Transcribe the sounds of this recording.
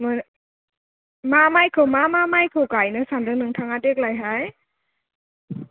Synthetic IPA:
mɯ | mamajkʰɯwmamamajkʰɯkajnɯsandɯnɯŋtʰaŋadek̚lajɦaj

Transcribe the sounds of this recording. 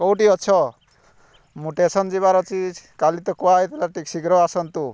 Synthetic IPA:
kɔwʈiɔt͡ʃʰɔ | muʈesɔnd͡ʒiβaɾɔt͡ʃid͡ʒkalit̪ɔkɔwajt̪elaʈiksiɡɾɔasɔnt̪u

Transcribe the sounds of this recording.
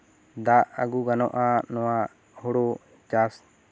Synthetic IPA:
d̪aʔaɡuɡanɔʔanɔwa | huɽɔ | t͡ʃas

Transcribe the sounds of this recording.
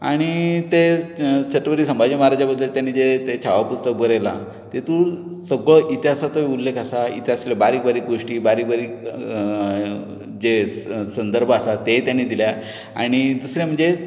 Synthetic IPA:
aɽ̃it̪et͡ɕʰəʈːəʋəɾiːsəmbʱad͡ʑimaɦaɾad͡ʑabəd̪ːəlt̪janːiːd͡zet̪et͡ɕʰaʋapust̪ək̚bəɾejla̰ | t̪et̪uːɭ | səɡɭɔʔit̪iɦasat͡səiulːekʰasaḭt̪iɦaslebaɾiːkbaɾiːkɡoʂʈiːbaɾiːkbaɾiː | d͡ʑesənd̪əɾbʱəasat̪et̪janːiːd̪ilja | a̰ɽ̃id̪usɾãm̤əɳd͡ze

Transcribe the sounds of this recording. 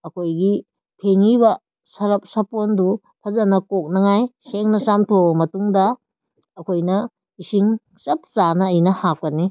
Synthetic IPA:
ɐkʰojɡi | pʰeŋibɐ | sɐɾɐp̚sɐpondu | pʰɐzɐnɐkok̚nɐŋajseŋnɐsamtʰomɐtuŋdɐ | ɐkʰojnɐ | isiŋ | sɐp̚sanɐːjnɐhak̚pɐni

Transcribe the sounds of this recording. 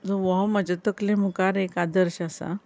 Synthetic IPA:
d͡zoʋɔɦməd͡ʑət̪əklẽm̤ukaɾekad̪əɾɕasa̰

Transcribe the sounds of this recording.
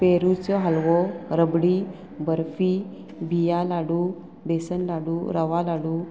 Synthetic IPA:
peɾut͡sɔɦalʋɔɾəbɽi | bəɾfi | bʱijalaɽu | besənlaɽuɾəʋalaɽu

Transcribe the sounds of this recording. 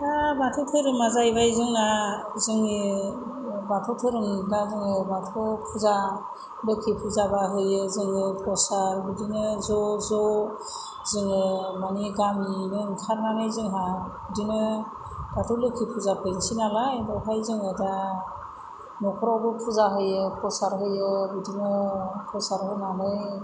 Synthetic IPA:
abatʰɔtʰɯɾɯmazajbajzɯŋa | zɯŋɯ | batʰɔtʰɯɾɯŋbazɯŋɯbatʰɔpʰuza | lɯkʰipʰuzabaɦɯjɯzɯŋɯpʰɔsaɾbɯdinɯzɔzɔ | zɯŋɯmaniɡaminɯŋkʰaɾnanɯjzɯŋɦabɯdinɯ | b̥atʰɔwlɯkʰipʰuzapʰɯjnsinalaidɔɦajzɯŋɯda | mɔkʰɔɾɔbɔpʰuzaɦɯjɯpʰɔsaɾɦɯjɔbɯdinɔpʰɔsaɾɦɯnanɯj

